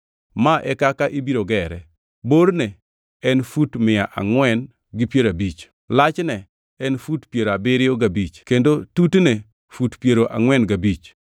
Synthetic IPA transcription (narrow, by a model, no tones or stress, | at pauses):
maʔɛkakaʔibiɾoɡɛɾɛ | boɾne | ɛnfutmɪjaʔa̰ŋwɛn | ɡɪpjeɾabit͡ʃ | lat͡ʃnɛ | ɛnfutpjeɾabɪɾɪoɡabit͡ʃkendotutne | futpjeɾoʔa̰ŋwɛnɡabit͡ʃ